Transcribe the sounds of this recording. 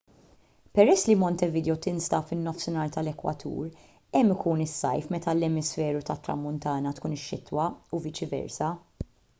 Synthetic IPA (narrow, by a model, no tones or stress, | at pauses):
pɛɾɛsːlimɔnt̪ɛvɪd̪ɛɔt̪ɪnst̪ɐfɪnːɔfsɪnɐːlt̪ɐlɛkwɐ̰t̪ʰṵːɾ | ɛmːɪkuːnɪsːɐ̰jfmɛt̪ɐlɛmɪsfɛːɾut̪ɐt̪ːɾɐ̰mːʊnt̪ɐːnɐt̪kuːnɪʃːɪt̪wɐuvɪt͡ʃɪvɛ̰ɾsɐ